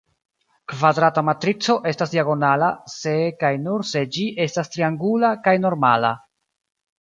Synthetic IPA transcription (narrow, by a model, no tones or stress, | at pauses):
kvad̪ɾatamatɾit͡so̞ʔe̞stasdiaɡo̞nalase̞kajnuɾse̞d͡ʒiʔe̞stastɾiaŋɡulakajno̞ɾma̰la̰